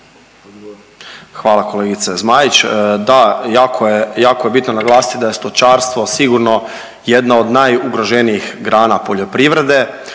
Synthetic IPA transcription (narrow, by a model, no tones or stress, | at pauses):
xʋaːlˠako̞leɡit̪sezmajit͡ɕd̪ajaːkʰojejaːkojebit̪nonaɡlˠaːsi̥t̪id̪aje̞st̪ot͡ʃaːɾst̪ʋo̞siɡuɾno̞ | jed̪naod̪najuɡɾo̞ʒenijixɡɾaːnapo̞ʎo̞pɾiʋɾe̞d̪e̞